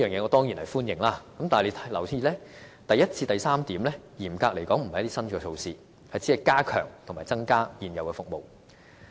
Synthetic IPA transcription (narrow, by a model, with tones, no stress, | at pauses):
iː˥jœː˨˩ŋjɛː˧ŋɔː˨˧t̪ɔː˥ŋjiː˨˩nhɐ˨jfuː˥njɪ˨˩ŋlaː˥kɐ˨˥mt̪aː˨le˨˧˥t̪ʰɐ˨˥jlɐ˨˩wt͡sʰiː˧˥lɛː˥t̪ɐ˨jɐ˥t̚t͡sʰiː˧t̪ɐ˨jsaː˥mt̪iː˨˥mlɛː˥jiː˨˩mkaː˧k̚le˨˩jkɔː˨˥ŋm̩˨˩ɐ˨jt̪iː˥sɐ˥nkɔː˧sʰo˧wsiː˧ | hɐ˨jt͡siː˨˥ɐ˨jkaː˥kʰœ̰ː˨˩ŋt̪ʰmaː˨˩jt͡sɐ˥ŋkaː˥jiː˨njɐ˨wkɛː˧fʊ˨k̚mo˨w